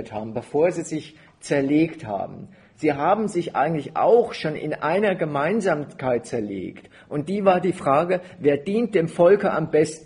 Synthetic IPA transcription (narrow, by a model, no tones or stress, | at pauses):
tha̰ːbm̩bəfoːɐziːzɪç | t͡sɛɐleːktha̰ːbm̩ | z̥iːɦaːbm̩zɪçʔa̰ɪɡŋ̩tlɪçʔa̰ʊxʃoːnɪ̰nʔaɪnɐɡəmaɪnzaːmkʰaɪt̚t͡sɛɐlḛːkt | ʔʊnt̚d̥iːvaːɐdiːfʁ̥aːɡəveːɐdiːnt̚d̥eːmfɔlkɐʔambɛstn